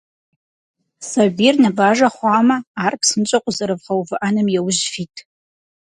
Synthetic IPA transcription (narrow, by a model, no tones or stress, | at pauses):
sabirnɨbaːʒɐχʷaːmɐːrkʰsɨnt͡ʃʼɐqʷʼʊzɐɾɨvχɐwvɨʔanɨmjɛwʊʒfiːtʼʰ